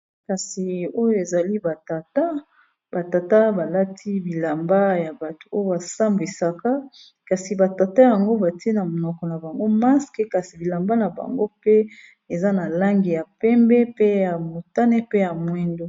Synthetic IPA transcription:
ka˨si˨o˦jo˦e˨za˨li˦ba˨ta˨ta˦ | ba˨ta˨ta˦ba˨la˦tʰi˦bi˨la˨mba˦ja˨ba˨tu̥˨o˦jo˦ba˨sa˦mbi˨sa˦ka˦ | ka˨si˨ba˨ta˨ta˦ja˨ŋɡo˦ba˨ti˦e˦na˨mo˨nɔ˨kɔ˨na˨ba˨ŋɡo˦ma˦skɛ˦ka˨si˨bi˨la˨mba˦na˨ba̰˨ŋɡo˦pe˦ | e˨za˦na˨la˦ŋɡi˨ja˨pɛ˦mbɛ˦pe˦ja˨mo˨ta˦ne˦pe˦ja˨mwɛ˦ndo˦

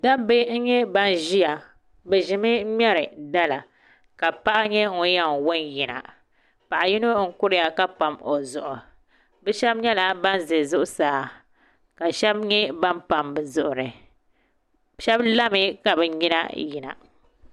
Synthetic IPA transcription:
da˦be˦ŋ̩˦ɲɛ˦ba˦nʒi˦ja˨ | bɛ˨ʒɪ˨mɨ˦m˦ɛ˦ɾɨ˨da˦la˨ | ka˨pa˦ʔa˦ɲɛ˦ŋu˦ja˦ŋwʊ˦nji˨na̰˨ | pa˨ʔa˨ji˦no˦ŋ̩˦kʊ˦ɾɪ˦ja˨ka˦pa˨mo˨zʊ˨ʔʊ˨ | bɛ˦ʃɛ˦bɲɛ˦la˨ba˦n˦zɨ˨zʊ˦ʔʊ˦saː˦ | ka˨ʃɛ˦b̚ɲɛ˦ba˦npa˨mbɨ˨zʊ˨ʔʊ˨ɾɨ˨ | ʃɛ˦bla˦mɨ˦ka˨bɛ˨ɲi˦na̰˦ji˨na̰˨

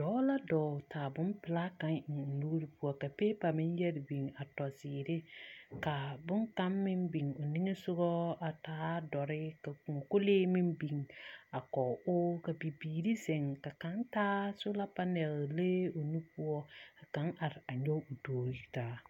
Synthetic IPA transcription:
d̥ɔː˨˦la˦dɔː˨tʰaː˨bʊ˦mpɪ˨la˦ka˦ŋɪ˨n˨luː˦ɾi˦pu˦ɔ˦ka˨peː˦pa˨mɪ˦njɛ˦ɾɪ˨bi˨ŋa˨tɔ˨sɪː˨ɾɪ˦ka˨bʊ˦ŋka˦mːɪ˦mbi˨ŋʊ˨nɪ˦ŋe˦sʊ˦ɣɔ˦a˨taː˦dɔ˨ɾɪ˦ka˨ku˨ŋɔ˨kʊ˦leː˦mɪ˦mbi˨ŋa˨kɔ˨ʊ˦ka˨bi˨biː˨ɾi˦sɛ˨ŋka˨ka˨˦ntaː˦sʊ˦la˦pa˦nɛ˨lle˦o˨nu˦pu˦ɔ˦a˨ka˨˦ŋʔa˨ɾɪ˨a˨ɲɔ˦ʊ˨toː˨ɾi˦taː˨˦

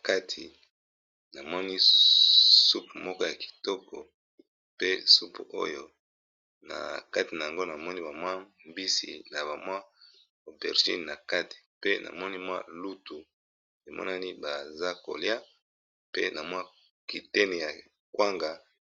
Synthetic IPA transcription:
ka˦tʰi˨ | na˨mɔ˦ni˦ | su˦pmɔ˦kɔ˦ja˨ki̥˨tɔ˦kɔ̰˨ | pe˦su˦po̰˦jo˦ | na̰˨ka˦ti˨na˨ja˨ŋɡo˦na˨mɔ˦ni˦ba˨mwa˦mbi˦sḭ˨na˨βa˨mwa˦ | o˨bɛ˨ʁʒḭ˦n˨na˨ka˦ti̥˨pe˦nʔa̰˨mɔ˦ni˦mwa̰˦lu˦tu˨ | e˨mʔɔ̰˦na˦ni˦ba˨za˦ko̰˨lja˦ | pe˦na˨mwa˦ | ki˨tɛ˦nɛ˨ja˨ | kwa˦ŋɡa˨

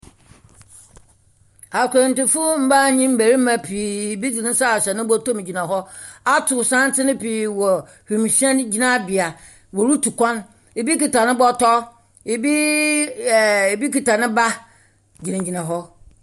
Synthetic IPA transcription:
a˨kʰɾɛ̃˨n˨tɪ˨fʊ˦m̩˦ba˦˨ɲĩ˦m̩˦be˨ɾi˦mã˨pʰiː˨bi˦d͡zi˨nɪ̃˦sa˦˨ɕɛ˨nɪ̃˦bɔ˦tõ˦m˨d͡ʑi˨nã˨ɦɔ˦a˦tʰʊ˨sã˦n˦tʰɪ˦nɪ̃˦piː˨wɔ˨ | hĩ˨m˨ɕɛ̃˦nd͡ʑi˦nã˦˨bɪ˨a˨ | wɔ˨ɾu˦tʰu˨kʷã˦n | e˨bi˦ki˨ta˨nɪ̃˦bɔ˦tɔ˦ | e˨bi˦˨ | e˨bi˦ki˨ta˨nɪ̃˦ba˦ | d͡ʑi˨nã˨d͡ʑi˨nã˨ɦɔ˦

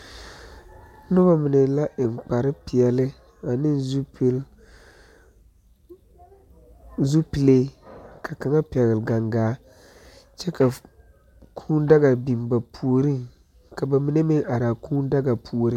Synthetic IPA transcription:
nʊ˦ba˦mɪ˨ne˨la˦ʔɪ˨ŋ͡mk͡pa˨ɾɪ˦pɪ˨ɛ˨lɪ˦ | a˨nɪ˦nzpl | zu˦pi˨le˦kʰa˨ka˨ŋa˦pɛ˨ɣɪ˨lɡa˨ŋɡaː˨˦ | t͡ʃɛ˦ka˨ | kʰuː˦n˦da˦ɡa˨bi˨mba˨pʰu˨o˨ɾi˦ŋ | ka˨ba˨mi˨ne˦mɪ˦ŋa˨ɾaː˨kuː˦n˦da˦ɡa˨pʰu˨o˨ɾi˦

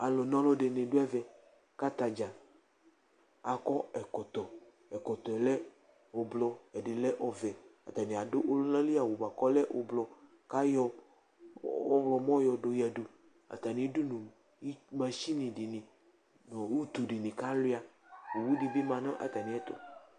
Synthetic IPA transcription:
a˨lɔ˨nɔ̃˦lɔ˦ɖe˨nẽ˨ɖo˦ɛ˦vɛ˨ | ka˦t̪a˨d͡ʒa˨ | a˨kɔ˦ɛ˨kɔ˨t̪ɔ˨ | ɛ˨kɔ˨t̪ɔ˨ɛ˨lɛ˦ | o˨blɔ˨ɛ˨ɖe˨lɛ˦ʔɔ˨vɛ˨a̰˨t̪a˨nĩ˨a˨do˦ʔo˦lnã˦li˦a˨wo˨ba˨kɔ˦lɛ˦ʔo˨blɔ˨ | ka˦jɔ˦ | ɔ˦wlɔ˨mɔ̃˦jɔ˨ɖo˨jɛ˨ɖo˨ | a̰˨t̪a˨nĩ˨˦du˦nũ˨ | i˦mã˨ʃi˦nĩ˨di˨nĩ˨ | nɔ˨wu˦t̪u˨ɖi˨nĩ˨ka˦li˦a˨ | wo˨wu˦di˨bi˦mã˨nɔ̃˦ʔa̰˦t̪a˨nĩ˨ɛ˦t̪ɔ̰˦

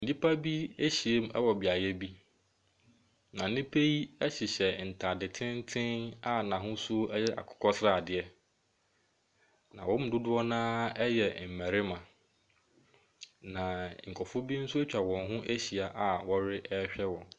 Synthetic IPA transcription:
n̩˨di˦pʰa˦bi˦e˦ɕi˨e˦m˦ɛ̰˦wɔ˨bɪ˨a˨jɛ˦bi˦ | nã˨˦nɪ̃˦pʰe˦ji˦ɛ˦ɕɪ˨ɕɛ˨n̩˨tʰa˨dɪ˨tʰɪ̃˦n̩˦tʰɪ̃˦na˨nã˨ɦʊ̃˦sʊ˦ɛ˦jɛ˦ʔa̰˨kʰɔ̥˨kʰɔ˦sɾa˦˨dɪ˨ɛ˦ | nã̰˨wɔ̃˦m̩˨˦dʊ˦dʊ˦ɔ˦nãː˦ɛ˦jɛ˨m̩˨mæ˨ɾɪ˦mã˨ | nã˨ŋ̩˨kʰɔ˨fʊ˦bi˦n̩˦sʊ˦e˦t͡ɕᶣa˨wɔ̃˨ŋ˨ɦʊ̃˦ʔe˦ɕi˨a˨ʔa˨wɔ˦ɾɪ˦ʔɛ˦ɕᶣɛ˦wɔ̃˨n

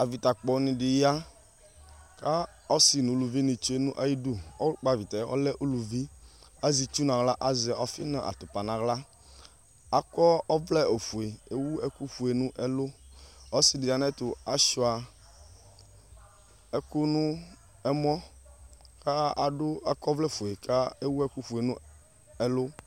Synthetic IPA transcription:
a˨vi˨t̪a˨k͡pɔ˨˦nɪ̃˨dɪ˨ja˦ | ka˦ | ɔ˦si˨nũ˨˦lu˨vi˦nĩ˨t͡ʃu˦e˨nũ˦ʔa˨ji˦du˦ɔ̰˦k͡pa˨vi˨t̪a˨˦ɔ̰˦lɛ˦ʔu˦lu˨vi˦a˦zi˨t͡ʃu˦nã˨ɣla˦ʔa˦zi˨a˨ɔ˨fi˦nã˨ʔa̰˨t̪ʊ˨pa˨nã˨ɣla˦ | a˨kɔ˦ɔ˦vlɛ˦o˨fu˨e˨e˦wu˦ɛ˦ku˦ɸu˨e˨nũ˦ʔɛ˦lʊ˦ɔ˦si˦di˨a˨nɛ̃˦t̪ʊ˨a˦ʃɔ˨a˨ | ɛ˦ku˦nʊ̃˦ | ɛ˦mɔ̃˦ | ka˦a˨dʊ˦a˨kɔ˦vlɛ˦˨fu˨e˨ka˦e˦wu˦ɛ˦ku˦ɸu˨e˨nũ˦ | ɛ˦lʊ˦

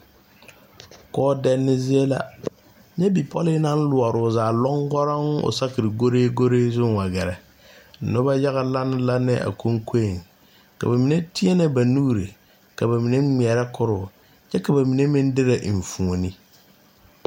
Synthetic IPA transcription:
kɔː˦dɛ˦nːɪ˦zɪ˦e˦la̰˦ | ɲɛ˦bi˨pʰɔ˦lɪ˦nã˦n̩˦lʊ˨a˨ɾʊ˨zaː˨lɔ˦ŋɡɔ˦ɾa˦ŋ˦ʊ̰˨sa˦kɪ˨ɾɪ˨ɡo˦ɾeː˦ɡo˦ɾeː˦zʊ˦ŋwa˨ɡɛ˨ɾɛ˨ | nʊ˦ba˦ja˦ɣa˦la˦nɪ˦la˦nɪ̰˦ʔa̰˨kʰo˦ŋkʰe˦˨ŋ | ka̰˨ba˨mĩ˨ne˦tʰɪ˦ɛ˦nɛ˨ba˨nuː˦ɾɪ˨ | ka˨ba˨mi˨ne˦ŋ͡mi˨ɛ˨ɾɛ˦kʰʊ˦ɾʊ˨ | t͡ʃɛ˦ka˨ba˨mi˨ne˦mɪ̃˦n˦dɪ˦ɾa˨ʔɱ̩˨fũ˨o˨nɪ˦

